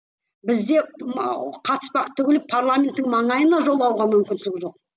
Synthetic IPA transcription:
bɪzd̪e̞ | qʰɑt̪ə̥spɑqt̪ʰʏɡʲelɪpʰarlˠamʲe̞nt̪ːɪŋmɑɴɑjənɑʒo̞lˠːɑwʁɑmʏmkʲɪnsɪlɪkʒo̞q̚

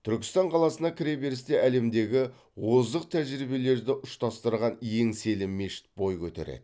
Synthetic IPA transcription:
t̪ʰʏɾkʲɪ̥st̪ɑɴqʰɑlˠɑsənɑkʲʰɪɾebe̞ɾɪst̪eʔæle̞md̪e̞ɡʲɪ | wo̞zd̪əq̚t̪ʰæʒɾibe̞le̞ɾd̪ɪʔʊʃt̪ɑst̪əɾʁɑnje̞ŋse̞lɪmːe̞ʃɪ̥t̪̚bo̞jkʲʰɵt̪ḛɾḛd̪̥ɪ

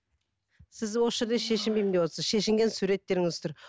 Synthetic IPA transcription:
sɪzwosʒe̞ɾd̪eʃe̞ʃɪmbejmɪnd̪ewot̪səzʃe̞ʃɪŋɡʲe̞nsuɾe̞t̪ːe̞ɾɪŋɪzʏ̥t̪ɪɾ

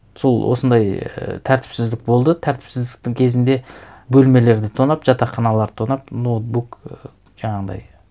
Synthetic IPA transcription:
so̞lˠwo̰sənd̪ɑjt̪ʰæɾt̪ʰɪ̥psɪzd̪ɪk̚bo̞lˠd̪ət̪ʰæɾt̪ɪ̥psɪzd̪ɪk̚t̪ɪŋkʲʰe̞zɪnd̪e̞bɵlme̞le̞ɾd̪ɪt̪ʰonɑpʒ̥ɑt̪ɑqːɑnɑlˠɑɾt̪ʰonɑpnot̪̚buk | ʒ̥ɑɴɑʁəd̪ɑ̰j

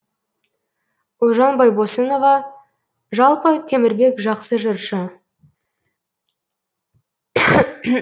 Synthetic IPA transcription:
ʊlˠʒɑnbɑjbosəno̞vɑ | ʒɑlˠpət̪ʰe̞mɪɾbe̞kʒɑqsəʒəɾʃə

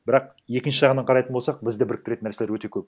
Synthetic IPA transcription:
bɪɾɑq̚ | je̞kʲɪnʃɪʒɑʁənɑɴqʰɑɾɑjt̪ənbosɑq̚bɪzd̪ɪbɪɾɪk̚t̪ɪɾet̪nːæɾse̞leɾwɵt̪e̞kʲʰɵp̚

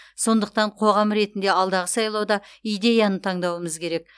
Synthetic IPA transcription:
so̞nd̪əq̚t̪ɑɴqʰo̞ʁɑmɾe̞t̪ɪnd̪e̞ɑlˠd̪ɑʁəsɑjlˠɑwd̪ɑijd̪e̞jɑnət̪ʰɑɴd̪ɑwəməzkʲʰe̞ɾe̞k̚

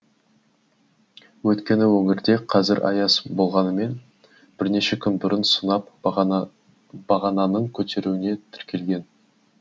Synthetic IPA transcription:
wɵt̪kʲe̞nɪwɵŋɪɾd̪e̞qʰɑzɪɾʔɑ̰jɑsbo̞lˠʁɑnəme̞n | b̥ɪɾne̞ʃekʲʰʏnbʊɾənsʊnɑp | b̥ɑʁɑnɑnəɴkʲʰɵt̪ʰe̞ɾuwɪne̞t̪ʰɪ̥ɾkʲʰe̞lɡʲe̞n

